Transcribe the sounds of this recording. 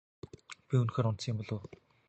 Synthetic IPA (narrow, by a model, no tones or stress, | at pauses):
pʲiɵnxeːɾʊnt̪siːmʊɮoː